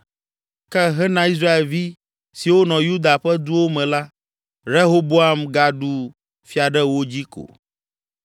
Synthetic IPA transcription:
kɛ˦ɦɛ˦nã˨˦i˦s̬ɾa˦e˨lvi˦ | si˨wo˦nɔ̃˨ju˦d̪a˨ɸɛ˦d̪u˦wo˦mɛ̃˨la˦ | ɾe˦ɦo˦bo˦a˦mɡa˨ɖu˨ | fi˨a˨ɖɛ˦wo˦d͡ʑi˦ko̰˨

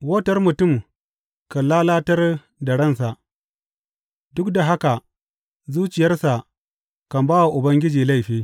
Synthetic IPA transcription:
wɐ˦tɐ˦rmʊ˨tʊ˦˨m | kɐ˨laː˦laː˦tɐ˦r | dɐ˨ɽɐ˦˨nsa˨ʔ | dʊ˦kda˨ɦa˦ka˨ | zuː˦t͡ʃɪ˨jɐ˦rsa˨ | kɐ˨mbaː˦wa˨ʔʊ˨bɐ˦ŋɡʲɪ˦d͡ʒiː˨la˦˨jɸiː˦

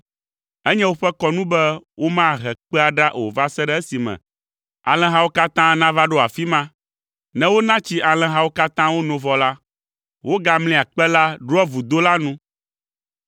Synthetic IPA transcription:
ɛ˦ɲɛ̃˦wo˦ɸɛ˦kɔ˦nũ˦bɛ˦wo˦mã˦ɦɛ˨k͡pɛ˦a˨ɖa˦ʔo˨va˦sɛ˦ɖɛ˦ɛ˦si˨mɛ̰̃˨ | a̰˨lɛ̃˨ɦa˦wo˦ka˦t̪ã˦nã˦va˦ɖo˦a̰˨fi˦mã˦ | nɛ̃˦wo˦nã˦t͡ɕi˦ʔa˨lɛ̃˨ɦa˦wo˦ka˦t̪ã˦wo˦nõ˨vɔ˨la˦ | wo˦ɡa˦mlĩ˦˨a˨k͡pɛ˦la˦ɖo˦ɔ˦vu˨d̪o˦la˦nũ˦

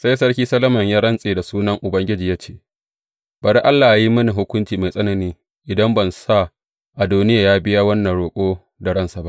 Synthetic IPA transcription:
sa˦jsɐ˦ɽkʲiː˦sɐ˦lɐ˦mɐ˨ɲjaː˦ɽɐ˦nsʼeː˨da˨suː˦nɐ˦ŋʔʊ˨bɐ˦ŋɡʲɪ˦d͡ʒiː˨jaː˦t͡ʃeː˦˨ | b̥ɐ˨ɾʔa˦lːaː˨ʔa˨ji˦mɐ˦ni˨ɦʊ˦kʷʊ˦nt͡ʃiː˨ma˨jsʼɐ˦nɐ˨niː˦ | ʔɪ˨dɐ˦mbɐ˨nsa˦˨ | ʔa˨duː˦nɪ˦jaː˨jaː˦bɪ˦ja˦wɐ˦nːɐ˨ɽoː˨kʷʼoː˦ | da˨ɽɐ˦nsa˨ba˦ʔ

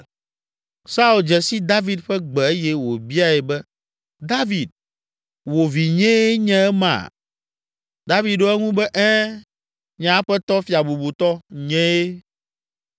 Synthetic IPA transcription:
sa˦u˦˨ld͡ʒɛ˨si˦d̪a˦vi˨d̪ɸɛ˦ɡ͡bɛ˨e˦jɛ˦wo˨bi˦a˨ɛ˨bɛ˦ | d̪a˦vi˨d̪̚ | wo˨vi˨ɲɛ̃˦e˦ɲɛ̃˦ɛ˦mã̰˨ | d̪a˦vi˨d̪o˦ɛ˦ŋũ˦bɛ˦ʔɛ̃˦ | ɲã˨˦ɸɛ˦t̪ɔ˦fi˨a˨bu˨bu˨t̪ɔ˦ɲɛ̃˦e˦

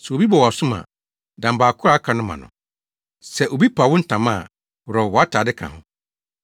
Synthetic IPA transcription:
sɛ˨o˨bi˦bɔ˨wsʊ˦mã̰˨ | dã˨m̩˨baː˨kʰʊ˦ɾa˦kʰã˨nʊ̃˦mã̰˨nʊ̰̃˨ | sɛ˨ʔo˨bi˦pʰa˨wʊ˦n̩˦tʰã˨mã˦˨ | wɾɔ˨wɔ˨˦a˦tʰaː˨dɪ˦kʰã̰˨hʊ̃˦

